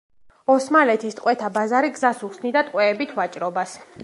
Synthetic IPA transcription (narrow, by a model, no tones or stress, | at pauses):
ɔsmalɛt̪ʰist̪ʼqʼwɛt̪ʰabazaɾiɡzasuχsnid̪at̪ʼqʼwɛːbit̪ʰvat͡ʃʼɾɔbas